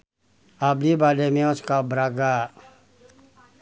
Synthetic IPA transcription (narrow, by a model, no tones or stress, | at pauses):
ablibalemẽɔskabɾaɡa